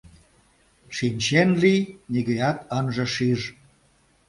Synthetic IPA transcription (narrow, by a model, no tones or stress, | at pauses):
ʃinʲt͡ɕenliniɣəjɑt̪ənʒə̆ʃiʒ